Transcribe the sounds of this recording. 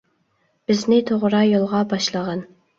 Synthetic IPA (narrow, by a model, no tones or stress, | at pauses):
b̥ɪznɪt̪ʰoʁɾɑjolˠʁɑbɑʃlˠəʁɑn